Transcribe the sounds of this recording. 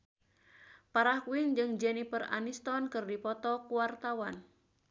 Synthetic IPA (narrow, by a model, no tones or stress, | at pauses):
paɾahkwɪŋd͡ʒɨŋd͡ʒɛnipəra̰nist̪ɔnkɨrdipɔt̪ɔkuwart̪awan